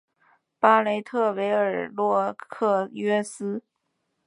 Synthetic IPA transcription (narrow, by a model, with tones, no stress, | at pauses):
pa˥le˧˥ɪt̪ʰɤ˥˩we˧˥ɪə˞˨˩lwɔ˥˧kʰɤ˥˩ɥɛ˥sɹ̩˥